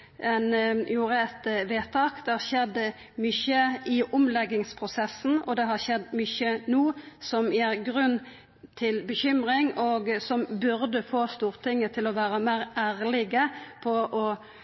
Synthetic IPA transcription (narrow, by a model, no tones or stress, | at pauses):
ɛnjuːɾəɛt̪ʋeːt̪ʰɑːkd̪ɛhɑɾʃɛd̪ːə | mʏçəɪʔʊmlɛɡːɪŋspʰʁʊsɛsːn̩ɔd̪ɛɦɑɾʃɛd̪ːmʏçənuːsɔmjæɡɾʉnː | t̪ʰɪlbəçʏmɾɪŋɔɡsɔmbʉɾd̪əfoːst̪uːɾt̪ʰɪŋːət̪ʰɪlɔʋæːɾəmæːɾæːɾlɪɡəpʰɔʔɔ